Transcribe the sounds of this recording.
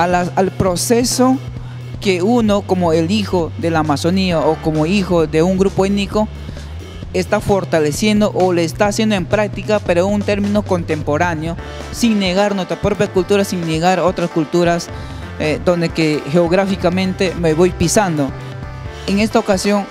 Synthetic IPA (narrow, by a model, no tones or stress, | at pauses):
alasalpɾo̞seso | keuno̞ko̞moelixoðe̞laːmaso̞niaoko̞moixo̞ðe̞uŋɡɾupoeniko | est̪afo̞ɾt̪ale̞sje̞nd̪o̞ʔoleːst̪aːsje̞nd̪oe̞mpɾak̚t̪ikapeɾount̪e̞ɾmĩno̞kont̪e̞mpo̞ɾanjo̞ | siŋne̞ɣaɾnwe̞st̪ɾapɾo̞pjakult̪uɾasiŋneɣaɾo̞t̪ɾaskult̪uɾas | ed̪o̞nd̪ekexeoɣɾafikamẽ̞nt̪e̞me̞βo̞jpisand̪o̞ | eŋe̞st̪aokasjo̞ŋ